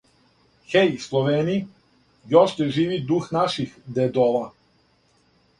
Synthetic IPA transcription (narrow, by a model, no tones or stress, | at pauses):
xejslˠoʋeːni | joʃeʒiːʋid̪uxnaʃixd̪ed̪ola